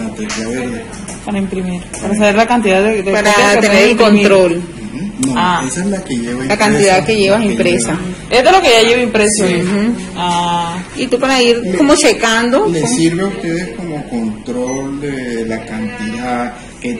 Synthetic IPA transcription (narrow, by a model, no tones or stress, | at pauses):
nat̪ekjaβeɾðe | paɾaimpɾimiɾpaɾas̬aβeɾlakant̪̬iðaðed̪epaɾatkeeeneɾelkont̪ɾol̩ | noaesaelakeʝeβailakant̪iðaðkeʝeβasimpɾesa | esd̪oelokeʝaʝeβimpɾesjonait̪upaɾaiɾkomot͡ʃekand̪olesiɾβeust̪eðeskomokont̪ɾold̪elakant̪iðað | ke